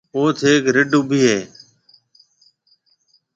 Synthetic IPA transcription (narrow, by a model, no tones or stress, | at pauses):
oːt̪ʰeːkɾɪɖʱuːbiːɦeː